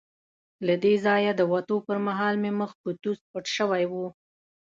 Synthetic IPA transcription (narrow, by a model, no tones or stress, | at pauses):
lad̪ezɑjad̪əwat̪opəɾmaɦɑlmeməxpət̪uspəʈʃəwajwu